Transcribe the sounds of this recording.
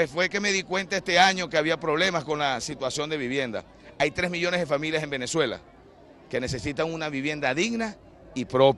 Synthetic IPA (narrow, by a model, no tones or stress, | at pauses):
pesfwe̞ke̞me̞ðikwe̞nt̪aest̪e̞aɲo̞keaβiapɾo̞βle̞masko̞nlasit̪wasjo̞nd̪e̞βiβje̞nd̪a̰ | ajt̪ɾe̞smiʝo̞nezðefamiljase̞mbe̞ne̞swe̞la̰ | ke̞ne̞se̞sit̪aŋunaβiβje̞nd̪aðiɣna | ipɾo̞p